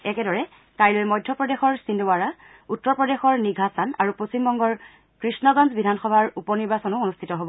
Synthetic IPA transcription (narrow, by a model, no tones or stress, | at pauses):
ɛkɛdɔɹɛ | kajlojmɔjdʱːɔpɹɔdexɔɹsindoaɹa | utːɔɹpɹɔdexɔɹniɡʱasanaɹuposimbɔŋɡɔɹ | kɹisnɔɡɔnzbidʱanxɔbʱaɹupɔniɹbasɔnʊonustʰitɔɦobɔ